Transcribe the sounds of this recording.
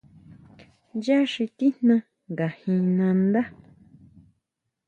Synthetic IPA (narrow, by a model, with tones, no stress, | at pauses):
ja˦ʂi˧t̪i˦n̥nã˧ | ŋɡa˨hĩ˧nã˧nd̪a˦